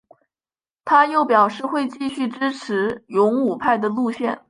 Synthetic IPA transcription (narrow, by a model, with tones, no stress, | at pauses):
t̪ʰa˥jo˥˩ʊpjɑ˨˩ʊʂɻ̩˥˧xwe˥˧ɪt͡ɕi˥˧ɕy˥˩ʈ͡ʂɻ̩˥ʈ͡ʂʰɻ̩˧˥jʊ˧˥ŋu˨˩pʰa˥˩ɪd̪ə˩lu˥˧ɕjɛ˥˩n